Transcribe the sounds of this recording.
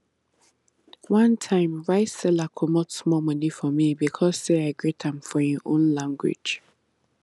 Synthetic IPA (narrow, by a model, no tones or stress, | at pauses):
wãntʰãɪ̃mɹaɪtsɛlakʰɔmɔtsmɔmʌnifɔmibikʰɔz̥seaɪɡɹetʰãmfɔjɔʔõnlãŋɡwɪ̰̥d͡ʒ